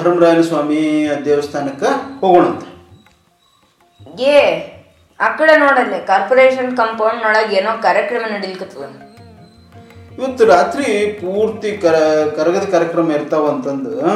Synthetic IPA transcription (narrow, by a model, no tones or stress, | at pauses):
ɐɾɐmɾaːjɐlɐsʋaːmiɐd̪jeːʋɐst̪ʰaːnɐkːɐhoːɡoːɳɐnt̪ɐ̥ | ɡe | ɐkːɐɭenoːɽɐlːikaːɾpoɾeːʃɐnkɐmpɐwnːoːɽaːɡeːnoːkaːɾjɐkɾɐmɐnɐɽilikut̪ːɐʋe | iʋɐt̪ːuɾaːt̪ɾipuːɾt̪iɐkɐɾɐɡɐd̪ɐkaːɾjɐkɾɐmɐiɾt̪ɐʋɐnt̪ɐnd̪u